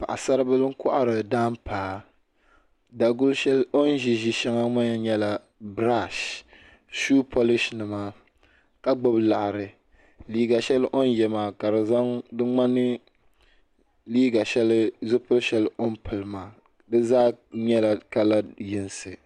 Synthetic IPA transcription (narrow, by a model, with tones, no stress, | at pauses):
pa˨ʔa˨sa˦ɾbɨ˦lɨ˦ŋ̩˦kɔ˦ʔa˨ɾɨ˨daː˦mpaː˨ | da˨ɡʊ˦lʃɛ˦lo˦n˦ʒi˨ʒi˦ʃɛ˦ŋa˦ma˦ɲɛ˦ɲɛ˦la˨ | bɾa˦˨ʃ | ʃu˦pʰo˦lɪ˦ʃnɨ˨maː˦ | ka˦ɡ͡bʊ˦bla˨ha˨ɾɨ˨ | liː˦ɡa˨ʃɛ˦lʔo˦n˦jɛ˨maː˨ka˨ɾɨ˨za˦ŋdɨ˦ŋ͡ma˦nɨ˦ | liː˦ɡa˨ʃɛ˦lɪ˦zʊ˦pʊ˦lʃɛ˦lo˦npɨ˨lɨ˨maː˨ | dɨ˦zaː˦ɲɛ˦la˨ka˦la˦jɪ˦nsɨ˨